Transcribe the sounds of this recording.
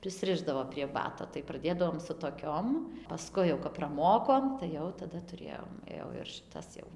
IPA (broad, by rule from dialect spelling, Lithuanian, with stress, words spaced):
pʲrʲɪsʲˈrʲɪʒdɐʋoː pʲrʲiɛ ˈbɑːtoː tɐɪ prɐˈdʲeːdɐʋoːm sʊ toːˈkʲoːm pɐˈskʊɪ jɛʊ kɐt prɐˈmoːkoːm tɐɪ ˈjɛʊ tɐˈdɐ tʊˈrʲeːjoːm ˈjɛʊ ɪr ʃʲɪˈtɐs jɛʊ